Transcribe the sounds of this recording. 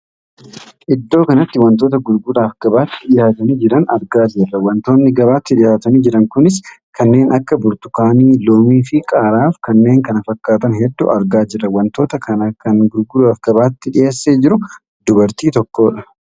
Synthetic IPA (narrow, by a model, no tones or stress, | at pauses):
ʔɪd̪ːo̞ːkɐnɐt̪ːɪwɐnt̪oːt̪̬ɐɡʊlɡʊd̪aːfɡ̥ɐbaːt̪ːɪᶑɪjaːt̪ɐniːd͡ʒɪɾɐnɐɾɡaːd͡ʒɪrːɐwɐnt̪o̞ːnːɪɡɐβaːt̪ːɪᶑɪjaːt̪ɐniːd͡ʒɪɾɐŋkʊnɪskʰɐnːe̞ːnʔɐkːɐbʊɾt̪ʊkaːniːloːmiːfɪkʼaːɾaːfkɐnːe̞ːŋkɐnɐfɐkːaːt̪ɐnɦɛd̪ːʊɐɾɡaːd͡ʒɪrːɐwɐnt̪o̞ːt̪ɐkɐnɐkɐŋɡʊlɡʊd̪aɐfɡ̥ɐbaːt̪ːɪᶑɪje̞ːsːeːd͡ʒɪɾʊ | d̪ʊbɐɾt̪iːt̪ɔkːo̞ːᶑɐ̥